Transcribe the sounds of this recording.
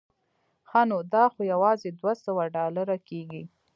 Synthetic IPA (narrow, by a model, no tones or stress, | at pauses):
xɑnod̪ɑxojawɑzed̪wasəwaɖɑlaɾakeɡi